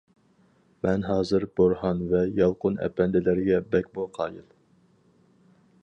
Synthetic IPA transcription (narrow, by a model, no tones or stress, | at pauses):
mɛnɦɑːzɨɾb̥oɾhɑnvɛjɑlˠqʊnɛ̰pʰɛnd̪ɪlæɾɡʲɛbɛkʲboqʰɑːjɨlˠ